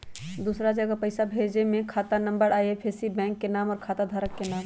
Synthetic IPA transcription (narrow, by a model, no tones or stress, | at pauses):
d̪usɾad͡ʒəɡəpəɪsabʱed͡ʒemẽkʰat̪anəmbəɾajepʰesibɛ̃ŋkːenaːmɔːɾkʰaːt̪ad̪ʱaɾəkːenaːm